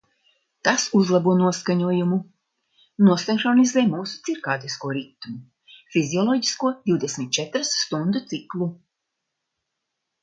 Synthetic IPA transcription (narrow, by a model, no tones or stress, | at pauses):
t̪asuzlˠabuɔnuɔskaɲuɔjumu | nuɔsɛnkɾɔnizɛːmuːsu̥t̪siɾkaːt̪iskuɔɾit̪ːumu | fiziɔlˠɔɟiskuɔd̪iwd̪esmʲit̪̚t͡ʃɛt̪ɾasːt̪und̪ut̪siklˠu